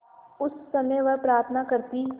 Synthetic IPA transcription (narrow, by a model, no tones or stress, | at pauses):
ʊsːɐməjʋɐɾpɾaːɾt̪ʰnakɐɾt̪i